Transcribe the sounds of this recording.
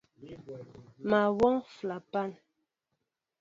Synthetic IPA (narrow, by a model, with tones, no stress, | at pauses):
ma˨wɔ˦ŋfla˨pa˦˨n